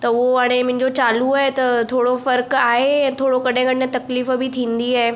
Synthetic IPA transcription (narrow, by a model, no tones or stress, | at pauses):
t̪ɐʊɦoaɽ̃emʊ̃ɦɪ̃ɲd͡ʑot͡ɕaːluaːɦet̪ɐt̪ʰoːɽofɐɾkaːɦeɛ̃t̪ʰoːɽokɐɗɪ̃kɐɽɪnẽt̪ɐkliːfbɪt̪ʰĩːnd̪iaːɦe